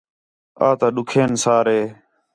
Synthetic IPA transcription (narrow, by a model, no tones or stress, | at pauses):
a̰ːt̪aːɗʊkʰeːnsaːɾɦeː